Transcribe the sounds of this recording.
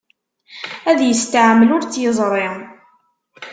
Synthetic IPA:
æðjəst̪ʕamːəlʊɾt͡sːjəzˤɾˤi

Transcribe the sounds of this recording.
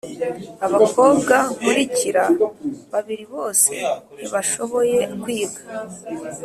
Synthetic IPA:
aβakʰo̞ːbɡakuɾiciɾaβaβiɾiβo̞ːse̞niβaʃo̞βo̞je̞kwiːɡḁ

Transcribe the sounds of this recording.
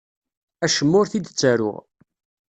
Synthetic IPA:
æʃəmːʊɾθid̪t͡sːæɾʊ̰ʁ

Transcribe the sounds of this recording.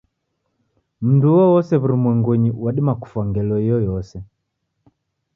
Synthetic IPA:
m̩nduwɔwɔsɛβuɾumwɛŋɡuɲiwaɗimaku̥fwaŋɡɛlɔijɔjɔsɛ

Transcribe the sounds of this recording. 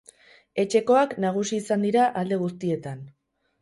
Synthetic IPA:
e̞t͡ʃe̞ko̞aknaɣ̞usiːsand̪iɾaʔald̪e̞ɣ̞us̬t̪ie̞t̪an

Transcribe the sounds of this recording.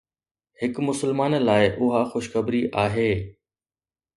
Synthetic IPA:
hɪkmʊsəlmaːnlaːɪʔʊɦaxʊʃxəbɾiʔaːɦeː

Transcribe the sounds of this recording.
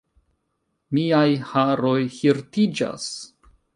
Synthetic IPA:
miajhaɾojhiɾtid͡ʒa̰s

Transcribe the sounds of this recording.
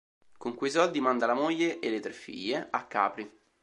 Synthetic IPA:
koŋkujs̬ɔld̪imand̪alamojːeʔelːet̪ɾefːḭʎːeakːa̰ːpɾi

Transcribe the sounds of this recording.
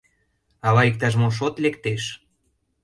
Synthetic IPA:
ɑβɑik̚t̪ɑʃ̬moʃ̬ot̪lekt̪eʃ

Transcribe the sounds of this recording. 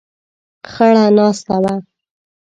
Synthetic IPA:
xaɽanɑst̪awa

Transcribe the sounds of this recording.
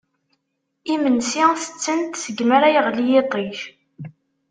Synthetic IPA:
imənsiθə̥t͡sːənt̪səɡməɾajəʁlijet̪ˤiç

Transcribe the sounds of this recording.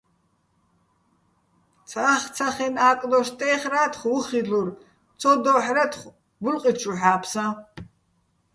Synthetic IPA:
t͡sʰaaχt͡sʰɐχenaːkʼloʃtʼejχraːtʰχʷwʊχiɮur | t͡sʰod̪oħrɐtʰχʷ | ɡʷʊlqʼit͡ʃʰʼuħaːpʰsɐ

